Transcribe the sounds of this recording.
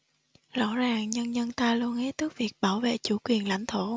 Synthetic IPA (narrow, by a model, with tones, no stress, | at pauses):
zɔ̰˧˥zaː˨˩ŋɲə˧nɲə˧nt̪aː˧lu˧ənhe˦˥t̚t̪ɨ˦˥k̚vi˨˩ək̚ɓaː˧˩wvḛ˧˨t͡ɕu˧˦kwi˨˩ənla̰˧˥jŋ̟t̪ʰo˧˩˦